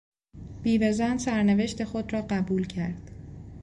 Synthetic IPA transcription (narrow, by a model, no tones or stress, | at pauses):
b̥iːvezænsæɾneve̞ʃt̪e̞xo̞d̪rɒːɢæbuːlcʰæɾd̪̥